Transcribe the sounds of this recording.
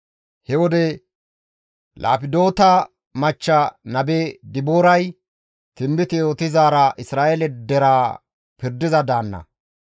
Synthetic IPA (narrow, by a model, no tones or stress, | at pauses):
hɛwɔd̪ɛ | lʔa̰ːpɪd̪o̞ːt̪ɐ | mɐt͡ʃːɐnɐbɛd̪ɪboːɾɐj | t̪ɪmbɪt̪ɪjoːt̪ɪzaːɾɐʔɪsɾaːʔɛlɛd̪ɛɾaː | pɪɾd̪ɪzɐd̪aːnːɐ̰